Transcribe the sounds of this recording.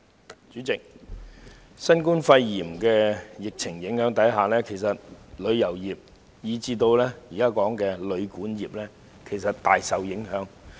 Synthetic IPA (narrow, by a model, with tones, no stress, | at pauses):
t͡ʃyː˨˥t͡sɪ˨k̚ | sɐ˥nkuː˥nfɐ˧jːiː˨˩mkɛː˧jɪ˨k̚t͡sʰɪ˨˩ŋjɪ˨˥ŋhœː˨˥ŋt̪ɐ˨˥jɦaː˨lɛː˥kʰe˨˩jsɐ˨t̚lɵ˨˧ɥjɐ˨˩wjiː˨˩p̚ | jiː˨˧t͡siː˧t̪o˧wlɛː˥jiː˨kaː˥kɔː˨˥ŋkɛː˧lɵ˨˧ɥkuː˨˥njiː˨˩p̚lɛː˥ | kʰe˨˩jsɐ˨t̚t̪aː˨jsɐ˨wjɪ˨˥ŋɦœː˨˥ŋ